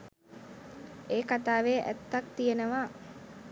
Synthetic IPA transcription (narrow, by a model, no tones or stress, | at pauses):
eːkat̪aːʋeʔæ̰t̪ːak̚t̪ijənəʋaː